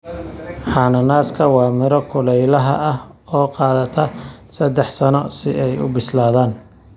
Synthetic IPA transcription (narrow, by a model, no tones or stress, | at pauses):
ħɑːnɐnaːskʰɐwɑːmɪɾɔkʰʊlɛjlɐɦɐ̰ʔɐh | ɔːqɑːðɐt̪ʰɐsɐd̪ɛħsɐnɔsɪʔɛjʊ̰bɪslaːðaːn